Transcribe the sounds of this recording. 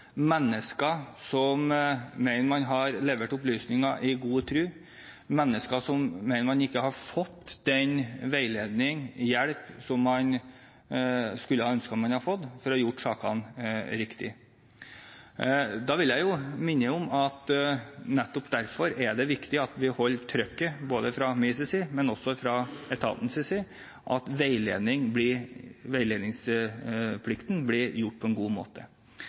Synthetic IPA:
mɛnːəskɑsɔmmɛɪnəmɑnɦɑɾleːʋəʈʊplyːsnɪŋɑʔɪɡuːət̪ʰɾʉː | mɛnːəskɑsɔmːɛɪnəmɑnɪkːəhɑɾfɔt̪ːd̪ɛnʋæɪleːd̪nɪŋjɛɽpsɔmːɑn | skʉlːəhɑːœnskɑmɑnhɑfɔt̪ːfɔɾɔjʊʈːsɑːkɑ̰nɾɪkt̪ɪ | d̪ɑːʋɪljæɪjʊmɪnːəʊmɑt̪nɛt̪ːɔpd̪æɾfɔɾæɖɛʋɪkt̪ɪɑt̪ʋɪhɔlːʈʰɾœkːəboːd̪əfɾɑmɪsɪsɪmɛnɔsːɔfɾɑɛt̪ʰɑ̰bnsɪsɪ | ʔɑt̪ʋeɪlḛːd̪ɪŋblɪʋæɪleːd̪ɪŋs | pʰlɪkt̪n̩blɪɾjʊʈːpʰɔɛnɡuːmo̰ːt̪ə

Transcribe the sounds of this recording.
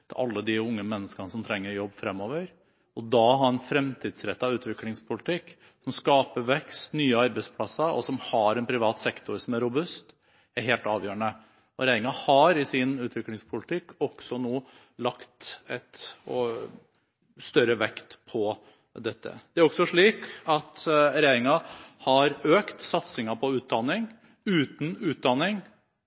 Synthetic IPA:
t̪ʰɪʔɑlːəd̪ɪʊŋːəmɛnːəskɑnəsɔmt̪ʰɾɛŋːəɾjɔbːfɾɛmːɔːʋəɾ | ɔd̪ɑɦɑɾɛnfɾɛmt̪ʰiːd̪sɾɛt̪ːɑʋʉːt̪ʰʋɪklɪŋspʰʊlɪt̪ʰɪkː | sɔmskɑːpəɾʋɛkst̪nyːəɑɾbæɪspʰlɑsːəɔ̰sɔmhɑɾɛnpʰɾɪʋɑːt̪sɛkt̪ʰʊɾsɔmæɾʊbʉst̪ | æɾɦeːlt̪ɑːʋjøːɾənə | ɔɾæɪɾɪŋɑhɑɾɪsɪnʉːt̪ʰʋɪklɪŋspʰʊlɪt̪ʰɪkːɔksɔnoː | lɑkt̪ɛt̪ | st̪œɾəʋɛkt̪pʰɔ | d̪ɛt̪ːə̰d̪̥ɛæɾɔksɔʂɭiːkɑt̪ɾæɪɾɪŋɑhɑɾøːkt̪sɑt̪sɪŋɑpʰɔʉːt̪̚d̪ɑnːɪŋ | ʉːt̪n̩ʉːt̪̚d̪ɑnːɪŋ

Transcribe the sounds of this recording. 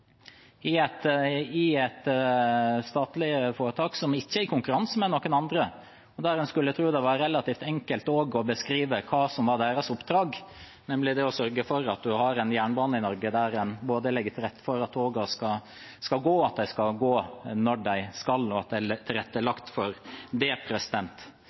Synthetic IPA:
ɪɛt̪ɪɛt̪ | st̪ɑːt̪lɪəfoːɾət̪ʰɑːksɔmɪçːəɪɾkʰʊŋkʉɾɑnsmɛnːoːkːənɑnd̪ɾə | ɔd̪æɾɛnskʉlːjæɪt̪ʰɾuːd̪ɛʋɑɾɾɛlɑt̪iːft̪ɛŋkəlt̪oːɡɔbəskɾiːʋəkʰɑːsɔmʋɑɖ̪æːɾɑsʊpːd̪ɾɑːɡ | nɛmlɪd̪ɛɔsœɾɡəfɔɾɑt̪̚d̪ʉhɑɾɛnjæːɳbɑːnəɪnɔɾɡəd̪æɾɛnboːd̪əlɪɡːət̪ʰɪlɾɛt̪ːə̥fɔɾɑt̪ʰːoːɡɑskɑ | skɑlɡoːɑt̪̚d̪æɪskɑɡoːnɔɖæɪskɑlɔɑt̪̚d̪æt̪ʰɪlɾɛt̪ːəlɑkt̪fɔɾd̪ɛpʰɾɛsɪd̪ɛnt̪

